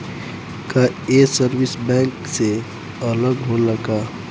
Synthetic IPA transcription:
kaesəɾwɪsbɛ̃ːŋkse | ələɡɦoləɡaː

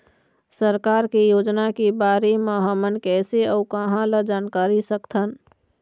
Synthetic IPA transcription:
səɾkaːɾkejoːd͡ʒnakibaːɾemẽɦəmənkɛːseəukəɦãləd͡ʒaːnkaːɾisəkt̪ʰən

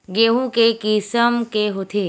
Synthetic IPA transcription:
ɡeɦũkekisəmkeɦot̪ʰe

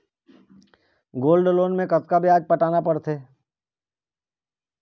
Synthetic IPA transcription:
ɡoːlɖloːnmẽkɐt̪kabʱiaːd͡ʒpɐʈaːnapɐɽt̪ʰeː

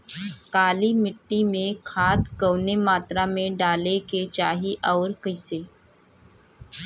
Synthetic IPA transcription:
kaːlimɪʈːimẽkʰaːd̪kəwnemaːt̪ɾamẽɖaːleket͡ʃaːɦiʔɔːɾkəɪseː

